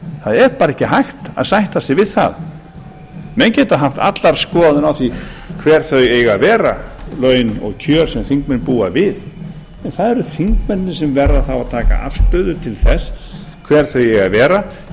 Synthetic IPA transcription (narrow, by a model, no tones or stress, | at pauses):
θaðɛɾpaːɾɛhcːɪɦajxt̪a̰ðsajht̪asɪvɪðθa̰ð | mɛncɛːt̪aðɦaft̪a̰t̪laɾ̥skɔːðʏnawθikʰvɛːɾ̥θœɥeːjɣavɛːɾalœːɥnɔ̰ɣcʰœːɾ̥sɛmθiŋkmɛnpuːa̰vɪð | ɛnθaðɛɾʏθiŋkmɛnnɪsɛmvɛrðaθawaðt̪ʰaːka̰ʔa̰fst̪œɥðʏt̪ʰɪlθɛs | kʰvɛːɾ̥θœɥjɛɣavɛːɾa